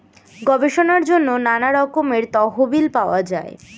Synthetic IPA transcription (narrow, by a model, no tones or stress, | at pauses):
ɡɔbeʃonaɾd͡ʑonːonanaɾɔkomeɾt̪ɔɦobilpaoad͡ʑae